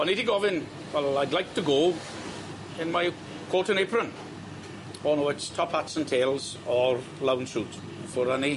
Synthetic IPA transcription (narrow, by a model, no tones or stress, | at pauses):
ɔnidiɡɔvɪ̃n | wɛlaɪdˡlaɪk̚tʰəɡoː | ɪ̃nmaɪ | kʰwotə̃nepɹə̃n | ɔnoɪtstʰɔpʰhatsə̃ntʰeːlˠz | əɹ | lãwnsut | fəɹəni